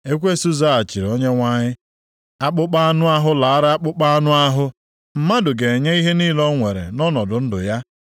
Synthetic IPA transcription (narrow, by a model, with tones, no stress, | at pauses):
e˦kʷe˦su˦za˦a˨t͡ʃi˨ɾo˦ɲe˦ŋʷa˦ɲɪ˦ | a˦k͡pʊ˦k͡pa˦a˦nʊ˦a˦ɦʊ˦la˨a˦ɾa˦a˦k͡pʊ˦k͡pa˦a˦nʊ˦a˦ɦʊ˦ | m̩˦ma˦dʊ˨ɡe˨e˨ɲe˦i˦ɦe˦niː˦lɔ˦ŋʷe˨ɾḛ˨nɔ˦nɔ˨dʊ˨n̩˦dʊ̰˨ja˦